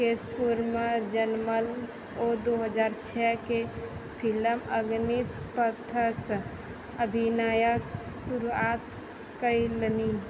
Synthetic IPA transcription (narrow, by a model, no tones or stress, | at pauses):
kespuɾməd͡ʒənməl | od̪oɦəd͡ʒaːɾt͡ʃʰɛkepʰiləməɡnispət̪ʰəs | əbʱinajək | suɾuat̪ | kəiləni